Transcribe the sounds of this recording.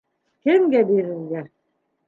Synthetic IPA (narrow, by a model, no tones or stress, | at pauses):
kɘmɡæbeɾɘlɡæ